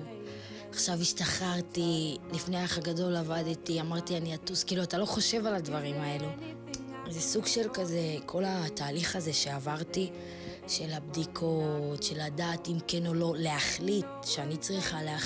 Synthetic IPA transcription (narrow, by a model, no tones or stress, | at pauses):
aχʃaviʃt̪aχaʁt̪ilifnejaχaɡado̞lavadt̪iamaʁt̪ianiatuskiːluatalo̞χo̞ʃe̞valadvaʁimae̞lu | zesuɡʃelkaze̞kʰo̞lataːliχaze̞ʃe̞avaʁti | ʃe̞labdikʰotʃe̞ladaːt̪imkeno̞lo̞leaχlitʃeanit͡sʁiχalea